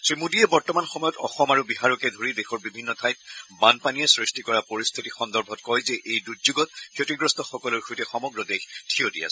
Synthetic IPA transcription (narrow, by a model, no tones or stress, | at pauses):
sɹimudiɛbɔɹtɔmanxɔmɔjɔtɔxɔmaɹubiɦaɹɔkɛdʱoɹidexɔɹbibʱinːɔtʰajt̚banpaniɛsɹistikɔɹapoɹist̪ʰitixɔndɔɹbʱɔtkɔjzɛʔejdudzuɡɔtkʰiotiɡɹɔstɔxɔkɔlʊɹxʰojtɛxɔmɔɡɹɔdextʰijotia̰s